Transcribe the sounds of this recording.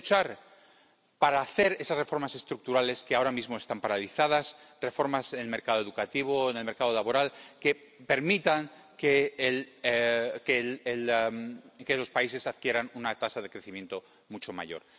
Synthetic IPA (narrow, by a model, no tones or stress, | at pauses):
t͡ʃaɾ | paɾaːθe̞ɾe̞sasre̞fo̞ɾmase̞st̪ɾuk̚t̪uɾale̞ske̞ao̞ɾamizmo̞e̞st̪ampaɾaliθað̞as | re̞fo̞ɾmasenelme̞ɾkaðoðukat̪iβ̞oenelme̞ɾkað̞o̞laβo̞ɾalke | pe̞ɾmit̪aŋ | kel | kell | kelo̞spaise̞sað̥kje̞ɾanunat̪asaðe̞kɾe̞θimjent̪o̞ | mut͡ʃo̞ma̰ʝo̞̰ɾ